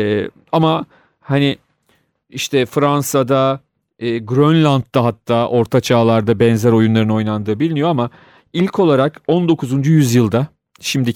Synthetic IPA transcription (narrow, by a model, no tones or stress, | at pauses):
ɛ | ama | hanɪ | iʃt̪ʰɛfɾansad̪a | ɯːɡɾønlʲant̪̚d̪aɦat̪ʰːaːʔo̞ɾt̪ʰat͡ʃʰaːlˠaɾd̪abɛnzæɾo̞junlˠaɾɯno̞jnˠand̪ɯːbilʲmijo̞ama | ilʲkʰo̞lˠaɾako̞nd̪o̞kʰuzund͡ʒujyzjɯlˠd̪a | ʃimd̪i